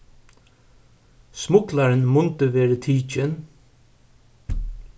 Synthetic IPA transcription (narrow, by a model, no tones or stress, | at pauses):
smʊklaɾɪnmʊnt̪əʋeːɾət̪ʰiːt͡ʃɪn